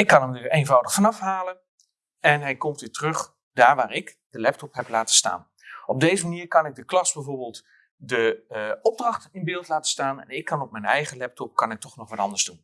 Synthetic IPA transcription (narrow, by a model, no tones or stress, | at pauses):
ɪkːɑnəmnyeːnvɔwdəχfɑnɑfɦaːlə | ɛnɦɛjkɔmtitrɵχ | d̥aːɹʋaːrɪk | d̥əlɛp̚tɔpɦɛplaːtə̥sta̰ːn | ɔb̚deːzəməniːɹkɑnɪɡ̚dəklɑsbɛjvoːɹbɪːlˠt | dəɔb̚drɑχtɪnbɪːlˠtlaːtə̥staːnɛ̰nɪkːɑnɔp̚mɛjnɛjχəlɛp̚tɔp̚kɑnɪk̚tɔχnɔχʋɑtɑ̰ndəɹzdun